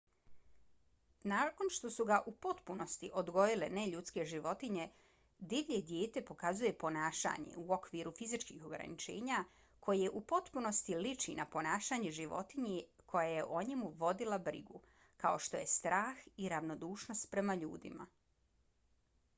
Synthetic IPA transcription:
nako̞nʃt̪o̞suɡaʔupo̞t̪puno̞st̪iʔo̞d̪ɡo̞jile̞ne̞ʎut̪ske̞ʒiʋo̞t̪iɲe̞ | d̪iʋʎed̪jeːt̪e̞po̞kazuje̞po̞naːʃa̰ɲe̞̰uokʋiɾufizit͡ʃkixo̞ɡɾa̰nit͡ʃe̞̰ːɲa | kʰo̞jieʔupo̞t̪puno̞st̪ilit͡ʃinapo̞naːʃaːɲeʒiʋo̞̰t̪iɲekʰo̞jaje̞ʔo̞ɲemuʋo̞d̪ilabɾḭɡu | kao̞ʃt̪o̞je̞st̪ɾaːxiɾaʋno̞d̪uːʃno̞st̪̚pɾe̞maʎṵːd̪ḭma̰

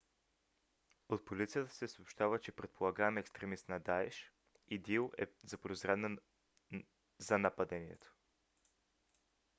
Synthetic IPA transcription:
ot̪̚polit̪sijət̪ə̥sɛsoopʃt̪avət͡ʃɛpɾɛt̪pʰolˠaɡaɛmɛɛkst̪ɾɛmist̪nɐd̪aɛʃ | id̪ilˠɛ̰zɐpɾozɾɛd̪nə | zɐnɐpɐd̪ɛniɛ̰t̪o̥

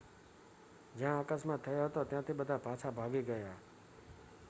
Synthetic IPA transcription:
d͡ʒãəkəsmãːt̪ʰːəjoːɦət̪oːt̪ɪjãːt̪ʰiːɓəd̪ʱaːpaːt͡ʃʰaːbʱaːɡiːɡəjaː

